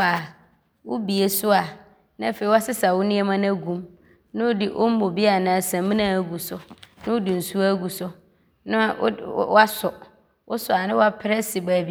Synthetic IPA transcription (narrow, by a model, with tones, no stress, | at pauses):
a˨ | wʊ˦bi˨e˨sʊ˦a˨ | nɪ̃˦˨fe˨i˦wa˦sɪ˦sa˨wʊ˦nɪ̃˦ɛ˦mã˦næ˦ɡũ˨m | nɪ̃˦ʊ˦dɪ˨ʔo˦m̩˦mõ˨bi˦a˨nãː˨˦˨sã˨mĩ˦nã˦˨ɡu˨sʊ˦nɪ̃˦ʊ˦dɪ˨n̩˨su˦a˦ɡu˨sʊ˦ | nɪ̰̃˦wa˦sʊ˨ | ʊ̰˦sʊ˨a˨nɪ̃˦wa˦pʰɪ˦ɾɛ˦sɪ˨baː˨bi˦